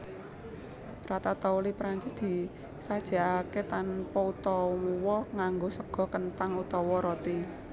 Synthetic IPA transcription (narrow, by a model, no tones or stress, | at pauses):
rat̪at̪ɔulipɾaɲt͡ʃɪsd̪̥i̤ | sad̥ʒ̥a̤aket̪anpɔut̪ɔmuwɔŋaŋɡosəɡ̥ɔ̤kənt̪aŋut̪ɔwɔɾot̪i